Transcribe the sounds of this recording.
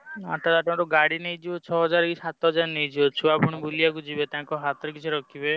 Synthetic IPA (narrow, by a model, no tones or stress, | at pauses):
aʈʰat̪aʈɔ̃ɾuɡaɽinejd͡ʒibot͡ʃʰɔɦɔd͡ʒaɾkisat̪ɔɦɔd͡ʒaɾnejd͡ʒibɔt͡ʃʰuapɔɽ̃ibulijakud͡ʒibet̪ãŋkɔɦat̪ɔɾɔkit͡ʃʰiɾɔkʰibe